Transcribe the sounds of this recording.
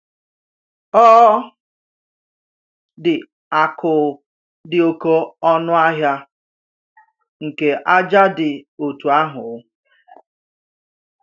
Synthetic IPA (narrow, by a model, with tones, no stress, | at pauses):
ɔ˦ | dɪ˨ | a˨kʰʊ˨ | dɪ˨o˨ko˦ɔ˦nʊ˦a˦ɦja˦ | ŋ̩˨ke˨ʔa˦d͡ʒa˦dɪ˨o˨tu˨a˦ɦʊ˨ʊ˦